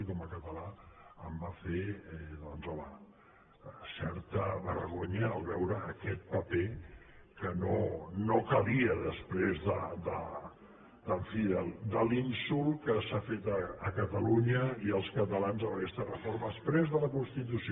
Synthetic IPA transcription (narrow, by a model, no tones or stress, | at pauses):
ikɔməkət̪əlaəmbafeɛðɔnzələ | sɛɾt̪əβə̰ɾɣoɲəːlˠβɛwɾəːkɛt̪̚pəpe | kənonokəβiəðəspɾezðəd̪ə | d̪əɱfiðəld̪əlinsulˠkəsafet̪əəkət̪əluɲəiəlˠskət̪əlanzðələkɛst̪ərəfoɾməəspɾezðələkunst̪it̪usi